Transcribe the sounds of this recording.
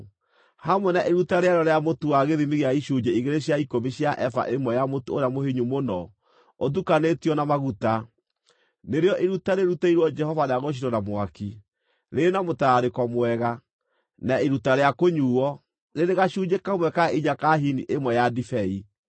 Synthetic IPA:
hamwɛnaʔeɾutaɾeaɾɔɾeamotuwaɣeðimiɣeaiʃuɲd͡ʒeiɣeɾeɕaikomiɕjaʔɛfa̰ʔemwɛjamotoɾeamoheɲumonɔ | oðukanetiɔnamaɣuta | neɾeɔʔeɾutaɾeɾutaiɾwɔd͡ʒɛhɔvaneaɣoʃ̬iɾɔnamwaki | ɾenamotaɾekɔmwɛɣa | naeɾutaɾeakoɲuːɔ | neɾeɣaʃuːd͡ʒekamwɛkaiɲakaɦiniʔemwɛjadifɛi

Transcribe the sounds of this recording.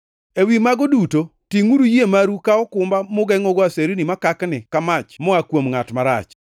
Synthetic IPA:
ewimaɡodutotiŋuɾujemaɾukaɔkʊmbamʊɡɛŋɔɡɔaseɾinimakaknɪkamat͡ʃmɔakwomŋatmaɾa̰t͡ʃ

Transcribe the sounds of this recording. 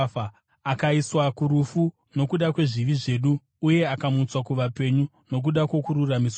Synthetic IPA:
akaiswakuɾufu | no̞kuɗakwe̞ʐiʋiʐe̞ːɗuː | je̞akamut͡swakuʋape̞ɲu | no̞k̬uɗakwo̞kuɾuramis

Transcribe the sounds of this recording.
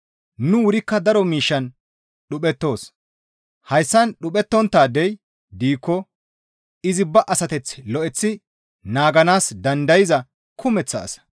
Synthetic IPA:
nʊwʊɾɪkːɐd̪ɐɾɔmiːʃːɐn | ɗʊpɛt̪ːo̞ːs | hɐjsːɐnɗʊpɛt̪ːɔnt̪ːaːd̪ɛj | d̪iːkːɔ | ɪzɪbɐʔɐsɐt̪ɛt͡sːlɔʔɛt͡sːɪ | naːɡɐnaːsd̪ɐnd̪ɐjɪzɐ | kʰʊmɛt͡sːɐ̰ːsɐ̥

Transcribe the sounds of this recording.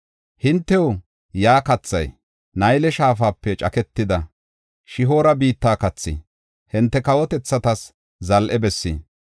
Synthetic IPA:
hɪnt̪ːɛwʊ | jaːkɐt͡sːɐ̰j | nɐjlɛʃaːfaːpːɛt͡ʃʼɐkɛt̪ːɪd̪ɐ | ʃɪɦo̞ːɾɐbiːt̪ːaːkɐt͡sːḭ | hɪnt̪ːɛkɐwɔt̪ɛt͡sːɐt̪ɐs | zɐlʔɛbɛsːḭ

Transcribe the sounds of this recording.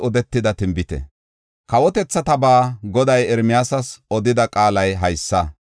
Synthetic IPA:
ɔd̪ɛt̪ːɪd̪ɐt̪ɪmbɪt̪ɛ̰ | kɐwɔt̪ɛt͡sːɐt̪ɐbaːɡɔd̪ɐjɛɾmɪjaːsɐsɔd̪ɪd̪ɐkʼaːlɐjɦɐjsːɐ

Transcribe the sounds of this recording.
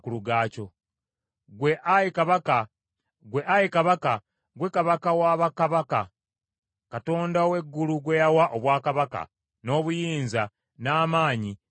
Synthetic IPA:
kuluɡaːco̞ | ɡwe̞ʔajikaβaka | ɡwe̞ʔajikaβaka | ɡwe̞kaβakawaːβakaβaka | kato̞ːndaowe̞ɡːuluɡwejawaʔoβwaːkaβaka̰ | no̞ːβujiːnza | naːmaːɲi

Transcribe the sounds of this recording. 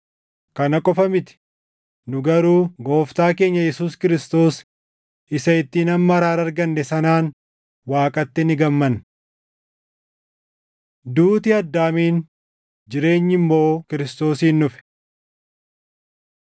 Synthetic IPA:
kɐnɐkʼɔfɐmɪt̪ɪ̥ | nʊɡɐɾuːɡo̞ːft̪aːke̞ːɲːɐjɛsuːskɪɾɪst̪o̞ːs | ɪsɐɪt̪ːiːnɐmːɐɐɾaːɾɐɾɡɐnːɛsɐnaːn | waːkʼɐt̪ːɪnɪɡɐmːɐn | d̪uːt̪ɪɐd̪ːaːmiːn | d͡ʒɪɾe̞ːɲːɪmːo̞ːkɪɾɪst̪o̞ːsiːnːʊfɛ̥

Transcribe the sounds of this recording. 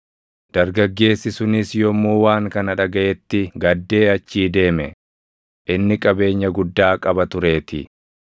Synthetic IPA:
d̪̥ɐɾɡɐɡːe̞ːsːɪsʊnɪsjɔmːuːwaːŋkɐnɐᶑɐɡɐʔɛt̪ːɪɡɐd̪ːe̞ːɐt͡ʃːiːd̪e̞ːmɛ | ʔɪnːɪkʼɐbe̞ːɲːɐɡʊd̪ːaːkʼɐbɐt̪ʊɾe̞ːt̪ɪ̰

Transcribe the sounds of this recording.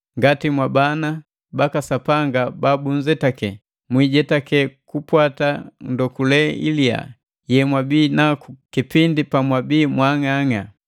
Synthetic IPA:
ŋɡatimwabana | bakasapaŋɡababun̩d͡ʒɛtakɛ | mwiɟɛtakɛkupwatandɔkulɛḭlia̰ | jɛmwabinakukipindipamwabiːmwaŋaŋa̰

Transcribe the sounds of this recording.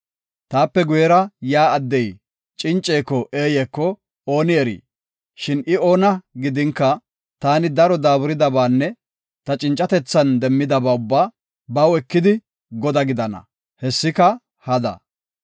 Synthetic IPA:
t̪aːpːɛɡʊjɛɾɐjaːɐd̪ːɛj | t͡ʃʼɪnt͡ʃʼːeːkːɔʔeːjɛkːɔ | o̞ːnɪɛɾḭː | ʃɪnɪo̞ːnɐɡɪd̪ɪŋkːɐ | t̪aːnɪd̪ɐɾɔd̪aːbʊɾɪd̪ɐbaːnːɛ | t̪ɐt͡ʃʼɪnt͡ʃʼːɐt̪ɛt͡sːɐnd̪ɛmːɪd̪ɐbaːʊbːaː | bɐwɛkːɪd̪ɪ | ɡɔd̪ɐɡɪd̪ɐnɐ̰ | hɛsːɪkɐ | hɐd̪ɐ̰

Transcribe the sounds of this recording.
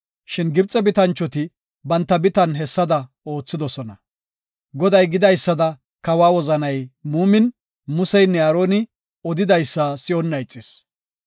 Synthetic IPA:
ʃɪnɡɪbt͡sʼːɛbɪt̪ɐnt͡ʃːɔt̪ɪ | bɐnt̪ːɐbɪt̪ɐnɦɛsːɐd̪ɐ | o̞ːt͡sːɪd̪ɔsɔnɐ | ɡɔd̪ɐjɡɪd̪ɐjsːɐd̪ɐ | kɐwaːwɔzɐnɐjmuːmɪn | mʊsɛjnːɛɐːɾoːnɪ | ɔd̪ɪd̪ɐjsːasɪɔnːɐjt͡sʼːɪs

